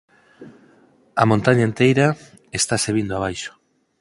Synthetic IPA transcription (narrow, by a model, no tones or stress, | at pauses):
ɐmõnt̪aɲaent̪ejɾa | est̪aseβind̪oaβ̞ajʃo̥